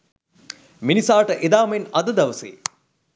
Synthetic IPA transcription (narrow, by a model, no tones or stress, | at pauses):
minisaːʈəʔed̪aːmenɐd̪əd̪ɐʋəsḛː